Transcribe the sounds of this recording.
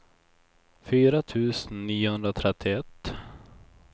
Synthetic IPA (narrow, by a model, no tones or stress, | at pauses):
fyːɾat̪ʰʉ̟ːsənːiːʊhɵnd̪ɾat̪ʰɾɛt̪ʰːɪɛt̪ː